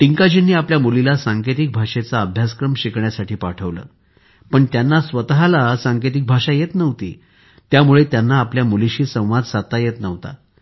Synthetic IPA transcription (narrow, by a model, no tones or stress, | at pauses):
ʈiŋkad͡ʑinːiːapljamulilasãŋket̪̬ik̚bʱaʂet͡saəbʱjaskɾəmɕikɳjasaʈʰiːpaʈʰəʋlə̰ː | pəɳt̪janːasʋət̪ɦalasaŋket̪̬ik̚bʱaʂajet̪nəʋt̪ḭː | t̪jamuɭet̪janːaːpljamuliɕiːsə̃w̃ʋad͡z̪sat̪ajet̪nəʋt̪a̰